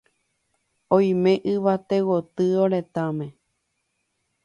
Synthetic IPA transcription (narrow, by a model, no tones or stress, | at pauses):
õj̃mẽ̞ʔɨʋat̪ewot̪ɨoɾet̪amẽ